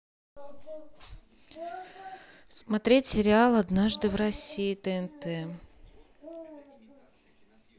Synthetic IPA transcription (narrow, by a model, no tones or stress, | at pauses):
smɐt̪ɾʲetʲsʲɪɾʲɪalˠɐd̪naʐd̪ɨvɾɐsʲiːt̪ɛɛnt̪ɛ